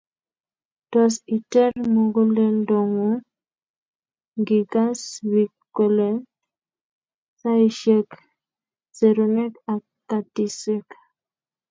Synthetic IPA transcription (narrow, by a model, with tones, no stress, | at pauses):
d̥ɔ˨si˨tɛ˦rmo˨ŋɡo˦lɛ˦ndɔ˨ŋo˨ | ŋɡi˨ɡa˦swi˨kː | o˨le˦ | sa˦i˦ʃɛ˦k | se˨ɾo˨nɛ˦ka˨kː | a˨ti˨se˦k